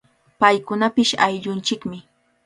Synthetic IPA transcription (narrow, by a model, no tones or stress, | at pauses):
pajkʊnapɪʃajʎʊnt͡ʃɪkmɪ